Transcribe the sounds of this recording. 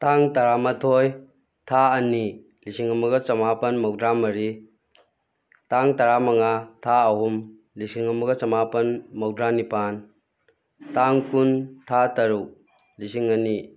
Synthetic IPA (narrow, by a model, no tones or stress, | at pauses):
taŋtɐɾamɐtʰoj | tʰaɐni | lisiŋɐmɐɡɐt͡ʃɐmapɐnmɐwdɾamɐɾi | taŋtɐɾamɐŋatʰaɐɦum | lisiŋɐmɐɡɐt͡ʃɐmapɐnmɐwdɾanipan | taŋkuntʰatɐɾuk | lisiŋɐni